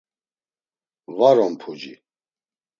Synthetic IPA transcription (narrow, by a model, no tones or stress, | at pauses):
vaɾɔmpʰud͡ʒi